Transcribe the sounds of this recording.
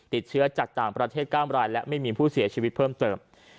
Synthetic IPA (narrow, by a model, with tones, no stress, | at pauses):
t̪i˨˩t̪̚t͡ɕʰɯ˦˥ɐt͡ɕa˨˩k̚t̪aː˨˩ŋpɾa˧t̪ʰeː˥˩t̪̚klaː˥˩mɾaː˧jlɛ˦˥ʔma˥˩jmiː˧pʰuː˥˩si˨˩˦ɐt͡ɕʰiː˧wi˦˥t̪̚pʰɤː˥˩mt̪ɤː˧m